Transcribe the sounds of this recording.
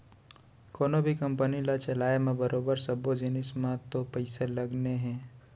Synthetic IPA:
koːnõbʱikɐ̃mpənilat͡ʃɐlaːemẽbəɾoːbəɾsɐbod͡ʒɪnɪsmãt̪opəɪselɐɡneɦɛ̃ː

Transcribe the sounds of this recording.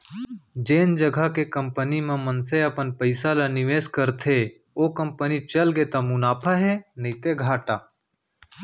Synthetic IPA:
d͡ʒeːnd͡ʒəɡʱakekɐ̃mpənimẽmənseɐpənpəɪsalanɪʋeːskəɾt̪ʰe | oːkə̃mpənit͡ʃɐlɡet̪amʊnaːpʰaɦenit̪eɡʱaːʈaː

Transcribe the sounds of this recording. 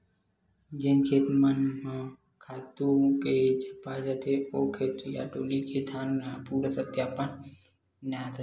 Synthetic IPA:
d͡ʒenkʰeːt̪mən | kʰaːlt̪uked͡ʒəpaːd͡ʒət̪eoːkʰeːt̪ja̰ːɖoːliket̪ʰaːnapuːɽsət̪jaːpən | nat̪ʰ

